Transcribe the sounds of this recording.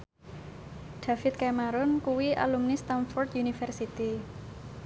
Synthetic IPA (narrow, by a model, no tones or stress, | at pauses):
ɖ̪̥afɪt̪̚kamaɾʊnkuwiʔa̰lumnist̪anfɔrt̪junifɛrsit̪i